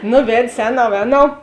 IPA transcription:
ˈnʊ ˈʋʲɛtʲsʲ ˈɛːˌnɐʊ ˈɛːˌnɐʊ

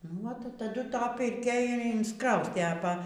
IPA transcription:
nuɔ tɐˈdʊ ˈtɐ pʲɪrʲˈkʲɛ ɪr ɪnsˈkrɐʊsʲtʲeː ɐ ˈpɐ

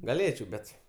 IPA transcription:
ɡɐˈlʲeːt͡ʃʲɛʊ ˈbʲɛt

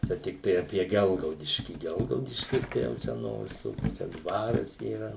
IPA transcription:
ˈt͡ʃʲɛ tʲɪkˈtɐɪ ɐpʲiɛ ˈɡʲɛlˠɡɐʊdʲɪʃʲkʲiː ˈɡʲɛlˠɡɐʊdʲɪʃʲkʲɪs ˈtɐɪ jɛʊ ˈt͡ʃʲɛ noː ʋʲɪˈsuː ˈnʊ t͡ʃʲɛ ˈdʋɑːrɐs iːˈrɐ

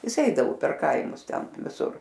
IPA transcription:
ˈjɪs ˈɛɪdɐʋʊ pʲɛr ˈkɐɪmʊs ˈtʲɛn ʋʲɪˈsʊr

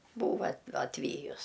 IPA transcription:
ˈbuːʋɐ ɐ ɐtʲˈʋʲiːjʊs

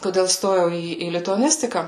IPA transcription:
koːˈdʲeːlˠ ˈstoːjɛʊ ˈiː iː lʲɪtʊɐˈnʲɪsʲtʲɪkɑː

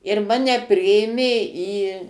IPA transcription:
ɪr ˈmɑːnʲɛ ˈpʲrʲɪeːmʲeː iː

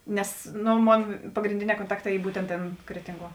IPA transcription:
ˈnʲɛs ˈnoː ˈmoːn pɐɡrʲɪnʲˈdʲeːˌnʲɛː koːnˈtɑːkˌtɑː ˈiː ˈbuːtʲɛnt ˈtʲeːn ˈkrʲæːtʲɪŋˌɡuɔ

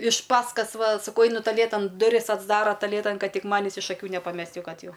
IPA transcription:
ɪʃ ˈpɑːskɐs ˈʋɐ sɐˈkɐʊ ˈɐɪnʊ tɐˈlʲeːtɐn dʊˈrʲɪs ɐdzˈdɑːrɐ tɐˈlʲeːtɐn ˈkɐt ˈtʲɪk ˈmɑːnʲɪs ɪʃ ɐˈkʲuː nʲɛpɐˈmʲɛsʲtʲ jɛʊ ˈkɐt ˈjɛʊ

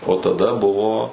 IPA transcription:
oː tɐˈdɐ ˈbʊʋoː

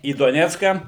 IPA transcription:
iː doːˈnʲæːt͡skɑː

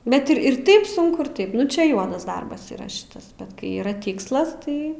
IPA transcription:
ˈbʲɛt ɪr ɪr ˈtɐɪp ˈsʊŋkʊ ɪr ˈtɐɪp ˈnʊ t͡ʃʲɛ ˈjuɔdɐs ˈdɐrbɐs iːˈrɐ ˈʃʲɪtɐs bʲɛt ˈkɐɪ iːˈrɐ ˈtʲɪkslˠɐs ˈtɐɪ

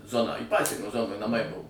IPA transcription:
ˈzoːnɑː iː ˈpɑːsʲiɛnʲoː ˈzoːnoːj nɐˈmɐɪˈbʊʋoː

